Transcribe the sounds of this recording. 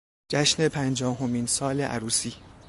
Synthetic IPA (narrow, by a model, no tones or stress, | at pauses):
d͡ʒæʃne̞pʰænd͡ʒɒːɦomiːnsɒːleʔæ̰ɾuːsiː